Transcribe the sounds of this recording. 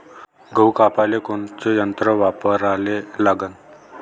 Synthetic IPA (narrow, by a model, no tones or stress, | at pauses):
ɡʱəwkapalekoɳt͡sejənt̪ɾəʋapəɾalelaɡən